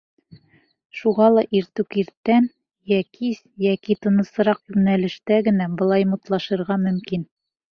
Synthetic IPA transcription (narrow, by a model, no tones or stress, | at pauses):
ʃuʁɑlˠɑʔiɾt̪ʉkiɾt̪ːæn | jækʰisjækit̪ɤ̆nɤ̆sɤ̆ɾɑqjʉmnælɘ̆ʃt̪æɡɘ̆næbɤ̆lˠɑjmut̪lˠɑʃɤ̆ɾʁɑmɵ̆mkin